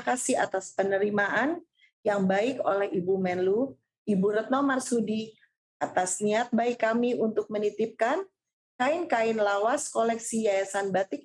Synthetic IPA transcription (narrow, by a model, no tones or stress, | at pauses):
kasiat̪aspənəɾimaʔan | jaŋbaɪko̰lɛhibumɛnlu | ibuɾɛt̪̚nomarsudi | at̪asniat̪̚baɪkːamiunt̪ʊk̚mənit̪ɪp̚kan | kaɪnkaɪnlawaskolɛksijajasanbat̪ɪk̚